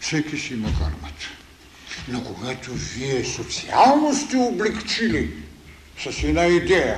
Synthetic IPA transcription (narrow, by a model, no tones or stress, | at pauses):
sekisimaka̰rmat̪ | nokoɡat̪uviesot̪sialˠnost̪ioblikt͡ʃili | sasinaid̪ea